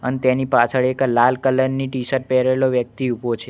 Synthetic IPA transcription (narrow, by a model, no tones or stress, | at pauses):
ənet̪enipat͡ʃʰəɭeklalkələɾniʈisəɾʈ̚pɛɾeloʋjək̚t̪iupot͡ʃʰe